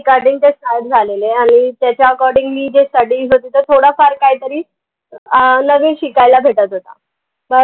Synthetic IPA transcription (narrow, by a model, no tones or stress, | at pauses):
kaɾɖiŋt̪esajʈd͡zʱaleleaɽ̃it̪jat͡ɕjaəkɔɾɖiŋɡliːd͡ʑesʈəɽiːzɦot̪iːt̪əɾt̪ʰoɽafaɾkaɦit̪əɾiː | nəʋeɕikajlabʱeʈət̪ɦot̪a̰ | bəɾ